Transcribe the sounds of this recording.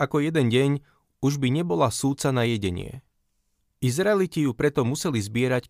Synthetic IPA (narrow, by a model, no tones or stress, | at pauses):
akɔjɛd̪ɛnɟɛɲ | uʒbiɲɛbɔlasuːt̪t͡sanajɛɟɛɲɪɛ̰ | izɾaɛlicijupɾɛt̪ɔmusɛlizbɪɛɾac